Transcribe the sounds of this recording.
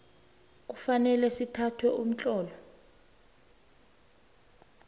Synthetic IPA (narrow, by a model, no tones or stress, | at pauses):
k̬ufanɛlɛsitʰatʰwɛʔum̩t͡ɬʼɔːlɔ